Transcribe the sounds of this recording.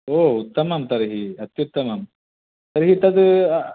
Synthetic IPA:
oːut̪ːɐmɐmt̪ɐɾɦiɐt̪jut̪ːɐmɐm | t̪ɐɾɦit̪ɐd̪

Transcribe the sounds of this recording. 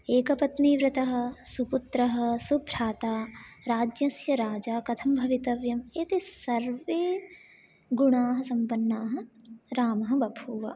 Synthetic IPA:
eːkɐpɐt̪niːʋɾɪt̪ɐɦɐ̆suput̪ɾɐɦɐ̆subʱɾaːt̪aːɾaːd͡ʒjɐsjɐɾaːd͡ʒaːkɐt̪ʰɐmbʱɐʋit̪ɐʋjɐmeːt̪isɐɾʋeː | ɡuɳaːɦɐ̆sɐmpɐnːaːɦɐ̆ɾaːmɐɦɐ̆bʱɐbʱuːʋɐ̰

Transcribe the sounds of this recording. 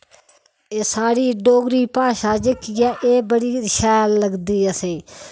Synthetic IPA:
eːsaːɾiːɖoːɡɾiːpaːʃaːd͡ʒəkijaːʔeːbəɽiːɾɪʃaːlləɡd̪iːəsẽː

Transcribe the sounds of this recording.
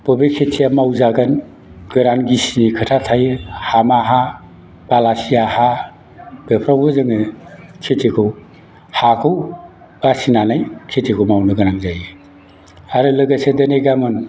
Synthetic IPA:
b̥ɔbekʰetʰijamawzaɡan | ɡɯɾanɡisinikʰɯtʰatʰajɯhamaɦa | b̥alasijaha | b̥epʰɾawbɯzɯŋɯkʰetʰikʰɯw | hakʰɯw | basinanajkʰetʰikʰumawnɯɡɯɾaŋzajɯ | aɾɯlɯɡasedɐneɡamɯn

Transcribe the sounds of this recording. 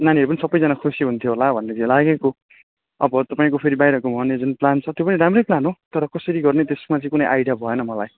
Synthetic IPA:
naniʌɾupʌnisʌbːʌjd͡zanakʰosioɦunt̪ʰjoɦolabʱʌnːet͡selaɡeko | ʌbʌt̪ʌpaĩkopʰeɾibajɾʌkomʌɦʌnjʌd͡zunplant͡sʰʌt̪jopʌniɾamrʌjplanɦot̪ʌɾʌkʌsʌɾiɡʌrnet̪esmat͡sʌ̃ĩkunʌjʔajɽijabʱʌenʌmʌlaj

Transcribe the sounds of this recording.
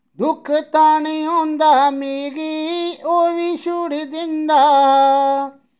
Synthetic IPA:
d̪ʊkʰt̪aːɳ̃iɦõːnd̪aːmeːɡioːʋiʃuɽid̪ɪ̃nd̪aː

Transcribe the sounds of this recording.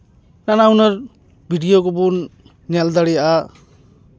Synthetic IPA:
nanawnʌɾ | bʱidijoɡɔbunː | ald̪aɽijaʔa

